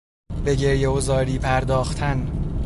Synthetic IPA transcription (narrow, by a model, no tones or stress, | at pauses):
be̞ɟe̞ɾjeozɒːɾiːpʰæɾd̪ɒːxt̪ʰæn